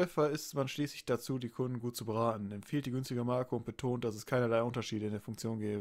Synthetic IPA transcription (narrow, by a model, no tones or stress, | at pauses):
ʏfɐɪstmanʃliːslɪçd̥at͡suːdiːkʰʊndn̩ɡuːt̚t͡subəʁaːtn̩ɛmfiːltd̥iːɡʏnstɪɡəmaɐkəʊnt̚b̥ətʰoːnt̚d̥asɛskʰaɪnɐlaɪʔʊntɐʃiːdəɪndeːɐfʊŋkt͡sjoːnɡɛːbəbəə